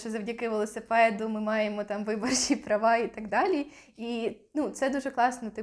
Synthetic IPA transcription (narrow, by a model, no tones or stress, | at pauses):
t͡ʃɔzɐwdʲɐkɪʋelˠɔsɪpɛd̪ʊmɪmɑjemɔt̪ɑmʋɪbɔrt͡ʃipɾɐʋɑit̪ɐɡd̪ɑlʲi | i | nut̪sɛd̪uʒɛklˠɑsnɔt̪ɪ